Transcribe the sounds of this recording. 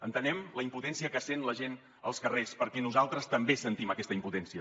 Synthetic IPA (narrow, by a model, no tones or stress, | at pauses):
ənt̪ənɛmləimput̪ɛnsiəkəasenləʒen | ə̰lˠskərespəɾkɛnuzalˠt̪ɾəst̪əmbesənt̪iməkɛst̪əimput̪ɛnsiə